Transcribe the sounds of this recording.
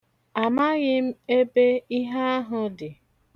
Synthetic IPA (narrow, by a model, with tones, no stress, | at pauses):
a˨ma˦ɣɪ˦m̩˦e˦be˦i˦ɦa˦a˦ɦʊ˦dɪ˨